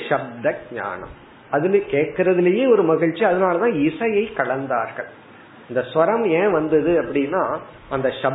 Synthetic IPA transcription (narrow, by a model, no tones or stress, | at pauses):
ʃɐb̚d̪ɐɡ̚ɲa̰ːɳɐ̰m | ɐðɪlkeːʈkɪɾɐðɪlɐjeːɔɾɯmɐɣɪɻt͡ʃːiɐðɐnaːlɐt̪ãːɪsɐjɐɪkɐɭɐnd̪aːɾɣɐ̰ɭ | ɪnd̪ɐsʋɐɾɐmẽːʋɐnd̪ɐðɯɐpːɐɽɪnːaː | ʔɐnd̪ɐʃɐ